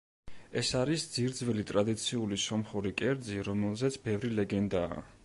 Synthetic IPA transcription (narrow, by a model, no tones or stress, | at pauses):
ɛsaɾisd̪ziɾd̪zvɛlit̪ʼɾad̪it̪sʰiulisɔmχuɾikʼɛɾd̪ziɾɔmɛlˠzɛt̪sʰbɛvɾilɛɡɛnd̪a̰ː